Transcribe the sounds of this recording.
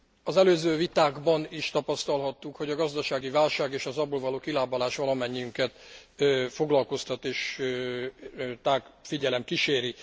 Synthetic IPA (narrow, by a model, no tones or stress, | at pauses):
ɒzɛløːzøːvit̪aːɡbɒniʃt̪ɒpɒst̪ɒlɦɒt̪ːukho̞ɟɒɡɒzd̪ɒʃaːɡivaːlʃaːɡeːʃɒzɒboːlvɒloːkilaːbɒlaːʃʋɒlɒmɛɲːiyŋkɛt̪ː | fo̞ɡlɒlko̞st̪ɒt̪eːʃ | t̪aːɡfiɟɛlɛmkiʃeːɾi